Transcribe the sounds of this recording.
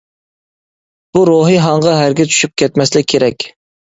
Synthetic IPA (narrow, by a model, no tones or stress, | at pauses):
b̥uɾoɦɨɦɑɴʁɑɦæɾɡʲɛt͡ʃʰy̥ʃyp̚kʲʰɛt̪mɛslɪk̚ʲkʰʲːeɾɛkʲ